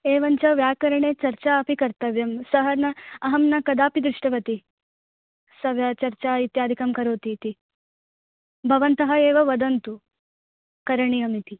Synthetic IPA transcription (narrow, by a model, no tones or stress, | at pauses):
eːʋɐɲt͡ʃɐʋjaːkɐɾɐɳeːt͡ʃɐɾt͡ʃaːɐpikɐɾt̪ɐʋjɐmsɐɦɐnɐɐɦɐmnɐkɐd̪aːpid̪ɾɪʂʈɐʋɐt̪i | sɐʋjaːt͡ʃɐɾt͡ʃaːit̪jaːd̪ʱikɐmkɐɾoːt̪iːt̪i | bʱɐʋɐnt̪ɐɦɐeːʋɐʋɐd̪ɐnt̪u | kɐɾɐɳiɐmit̪i